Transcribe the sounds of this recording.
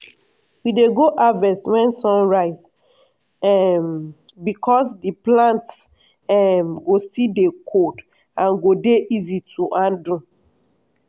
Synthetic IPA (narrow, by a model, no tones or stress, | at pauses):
wideɡoʔavɛ̃swɛ̃nsɔ̃nɹaɪz | m | bikʰɔsdiplãnts | ɛmɡosidekʰod | ãnɡodeʔizitʰuʔãndũ